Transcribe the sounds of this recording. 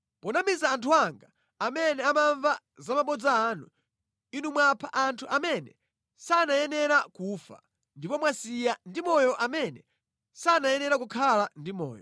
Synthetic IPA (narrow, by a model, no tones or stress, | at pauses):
pɔnamizaːntʰuaŋɡa | amɛnɛamaɱva | zamaɓɔd͡zaːnu | inumwapʰaʔantʰuʔamɛnɛ | sanajɛnɛɾakufa̰ | ndipɔmwasijandimɔjɔʔamɛnɛ | saːnajɛnɛɾakukʰalandimɔ̰ːjɔ